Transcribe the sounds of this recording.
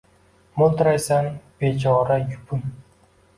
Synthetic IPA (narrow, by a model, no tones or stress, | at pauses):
molˠt̪ɾajsanb̥et͡ʃʰɒɾajʊpʰʊŋ